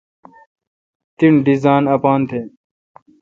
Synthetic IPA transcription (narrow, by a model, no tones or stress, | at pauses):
t̪iɳɖizaːnɐpaːnt̪ʰeː